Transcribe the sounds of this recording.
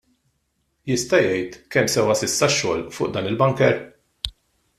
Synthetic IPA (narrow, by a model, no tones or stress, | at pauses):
jɪst̪ɐjɛjt̪kɛmːsɛwɐsɪsːɐʃːɔ̰ːlfʊːʔd̪ɐːnɪlbɐŋkɛɾ